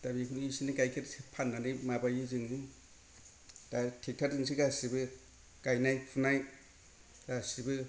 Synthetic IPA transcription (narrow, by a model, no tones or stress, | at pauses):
dabikʰunisiniɡajkʰeɾsipʰanːanɯjmabajɯzɯŋɯ | datʰik̚tʰaɾzɯŋs̬iɡasibɯ | ɡ̥ajnajpʰunaj | ɡasibɯ